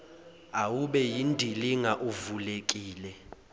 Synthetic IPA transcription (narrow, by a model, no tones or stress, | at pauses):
awuɓɛjindʱiliŋaʔuvulekʼiːlɛ